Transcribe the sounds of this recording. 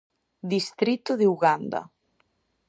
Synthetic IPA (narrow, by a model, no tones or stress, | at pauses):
d̪ist̪ɾit̪ʊðeuɣand̪a̰